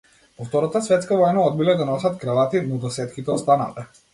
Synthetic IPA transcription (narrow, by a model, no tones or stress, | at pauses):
pɔft̪ɔɾɔt̪asvɛt̪skavɔjnaɔd̪̚bilɛd̪anɔsat̪kɾalˠat̪inɔd̪ɔsɛt̪kit̪ɛɔst̪ana̰t̪ɛ